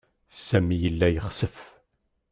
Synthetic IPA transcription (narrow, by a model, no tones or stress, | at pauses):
sæmijəlːæjəχsəf